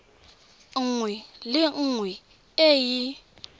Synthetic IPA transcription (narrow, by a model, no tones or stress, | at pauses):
ŋwilɪŋwi | eji